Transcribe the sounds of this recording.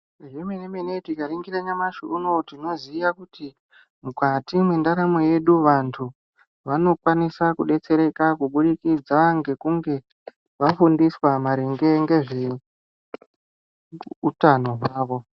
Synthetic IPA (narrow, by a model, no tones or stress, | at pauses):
ʐemenemenetikaɾiŋɡiɾaɲamaʃṵunotino̞zijakuti | mukatimwendaɾamo̞je̞ɗuʋantʰu | ʋano̞kwanisakuɗe̞t͡se̞ɾe̞kakuɓuɗikid͡zaŋɡe̞kuŋɡe̞ | ʋafundiswamaɾeŋɡe̞ŋɡe̞ʐe | utano̞ɦwaːʋo̞